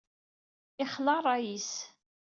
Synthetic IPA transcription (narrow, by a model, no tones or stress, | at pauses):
ɪχlɑrˤɑjis